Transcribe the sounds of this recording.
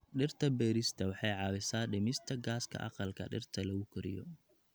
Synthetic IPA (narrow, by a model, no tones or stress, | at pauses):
ɖɪrt̪ʰɐbɛːɾɪst̪ʰɐwɑħɑjʕɑːwɪsaːɖɪmɪst̪ʰɐɡaːskʰɐ̰ʔɑ̰qɑlkʰɐ̰ɖɪ̰rt̪ʰɐlɐɣʊkʰʊɾɪ̰jɔ̰